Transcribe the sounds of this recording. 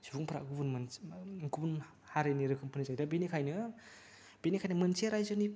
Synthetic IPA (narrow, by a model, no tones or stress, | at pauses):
subuŋpʰɾa̰ɡubunmɯnɡubun | haɾɯniɾɯkʰɯmpʰɯnɯzajdabenikʰajnɯ | b̥enikʰajnɯmɯnseɾajzɯni